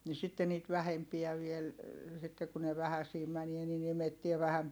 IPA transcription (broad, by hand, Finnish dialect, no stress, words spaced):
ni sitːe niːt ʋæhempiæ ʋiel sitːe ku ne ʋæhæsiː mænie nin imetːie ʋæhæm